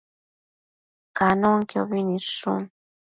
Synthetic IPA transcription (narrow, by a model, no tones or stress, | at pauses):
kanoŋkjoβinisṵn